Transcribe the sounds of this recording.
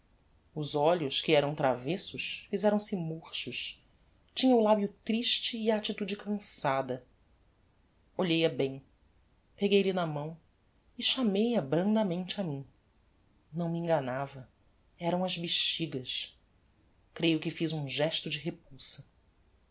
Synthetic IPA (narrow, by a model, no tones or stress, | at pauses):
ʊzɔʎʊskɪɛɾɐ̃w̃t̪ɾavesʊʃfizɛɾɐ̃w̃sɪmoχʃʊʃ | t͡ʃĩɲɐʊlabjʊt̪ɾiʃt͡ʃɪːaːt͡ʃit̪ud͡ʒɪkɐ̃sad̪ɐ | oʎejɐbẽj̃ | peɡejlɪnɐmɐ̃w̃ | ɪʃamejɐbɾɐ̃nd̪ɐmẽnt͡ʃɪamĩ | nɐ̃w̃miĩŋɡɐnavɐ | ɛɾɐ̃w̃ɐzbiʃt͡ʃiɡɐs | kɾejʊkɪfizũʒɛʃt̪ʊd͡ʒɪɦep̚uwsɐ